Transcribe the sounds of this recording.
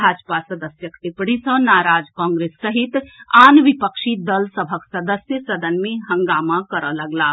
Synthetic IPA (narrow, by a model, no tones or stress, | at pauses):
aːd͡ʒpasəd̪əsjəkt̪ipɽ̃ẽsə̃naːɾaːd͡ʒkɔ̃ːŋɡɾeːsːəɦit̪aːnʋipəkʃid̪əlsəbʱəksəd̪əsjəsɐd̪ənmẽɦə̃ŋɡaːmakəɾələɡlaː